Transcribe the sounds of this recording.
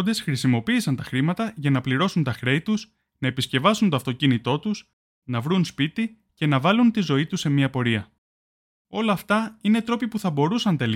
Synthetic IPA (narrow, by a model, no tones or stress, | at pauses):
nd̪e̞sxɾisimo̞piːsɐnt̪ɐxɾimɐt̪ɐʝɐnɐpliɾo̞sunt̪ɐxɾe̞it̪us | nɐepisce̞vɐsunt̪o̞ɐft̪o̞cinit̪o̞t̪us | nɐvɾunspit̪i | ce̞nɐvɐlunt̪izo̞it̪usːe̞miɐpo̞ɾiɐ | o̞lɐːft̪ɐine̞t̪ɾo̞pipuθɐbo̞ɾusɐnt̪e̞l